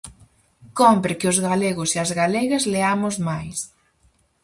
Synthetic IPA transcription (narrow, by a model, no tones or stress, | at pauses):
kompɾɪkɪʊzɣaleɣʊseɐzɣaleɣɐzleamʊzmajs